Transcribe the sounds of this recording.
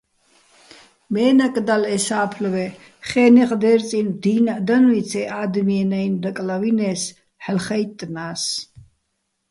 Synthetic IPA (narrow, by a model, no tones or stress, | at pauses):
mɛːnakʼd̪alɛsaːpʰlvɛ | χɛːnɛqʼd̪ɛːɾt͡sʼind̪iːnad̪anwit͡sʰɛʔaːd̪miɛnajnd̪akʼlavinɛːs | ħlχɛjt̪ʼnaːs